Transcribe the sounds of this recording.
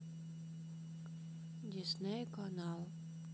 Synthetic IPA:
d̪ʲisnɛjkɔnɑlˠ

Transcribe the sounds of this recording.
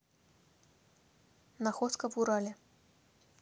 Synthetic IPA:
naxɔskɐvuɾalʲɛ

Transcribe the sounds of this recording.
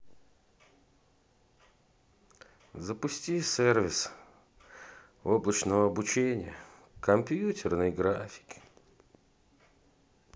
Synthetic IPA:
zəpʊsʲtʲisʲervʲɪs | oblˠət͡ɕnəvəɐbʊt͡ɕenʲɪ̰jə | kɐmpʲjutʲɪrnɨjɡɾafʲɪ̥kʲ

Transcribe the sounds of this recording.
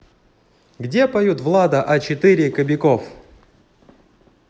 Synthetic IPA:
ɡdʲe̞pɐjut̪vlˠad̪əʔɐt͡ɕɪt̪ɨɾʲɪkəbʲɪko̞f

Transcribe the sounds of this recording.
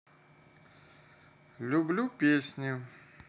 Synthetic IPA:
lʲublʲupʲesʲnʲjʊ

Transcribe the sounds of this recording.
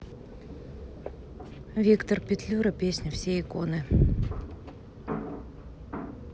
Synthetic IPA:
vʲikt̪ərpʲɪt̪lʲuɾəpʲesʲnʲɪfsʲeɪkonɨ

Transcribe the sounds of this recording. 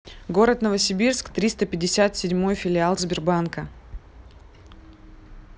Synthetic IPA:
ɡo̞ɾət̪nəvəsʲɪbʲirskt̪ɾʲist̪əpʲɪdʲɪsʲat̪sʲɪdʲmo̞jfʲɪlʲɪalˠzbʲɪrbankə

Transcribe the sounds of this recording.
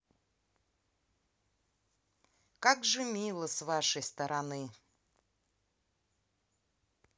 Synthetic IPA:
kaɡʐɨmʲilˠəsvaʂəjst̪ɐɾʔanɨ

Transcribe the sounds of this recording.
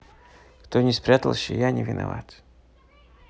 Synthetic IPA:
kt̪onʲɪspɾʲat̪əlˠɕɪ̰janʲɪvʲɪnɐ̰va̰t̪

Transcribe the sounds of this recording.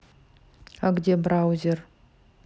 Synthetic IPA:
aɡd̪ʲebɾawzʲer

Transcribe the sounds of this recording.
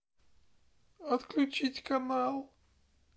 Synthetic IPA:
ɔt̪klʲut͡ʃitʲkamal

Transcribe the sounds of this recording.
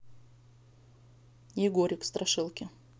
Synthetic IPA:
jɪɡoɾʲɪkst̪ɾʔɐʂɨlˠkʲɪ

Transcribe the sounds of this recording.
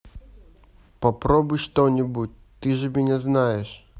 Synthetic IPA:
papɾɔbujʂt̪ɔnʲibutʲ | t̪ɨʐɨmʲɛnʲɛznajɛʂ

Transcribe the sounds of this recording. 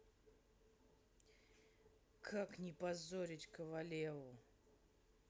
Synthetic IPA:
kʰaknʲɪpɐzoɾʲɪtʲkəvɐlʲevʊ

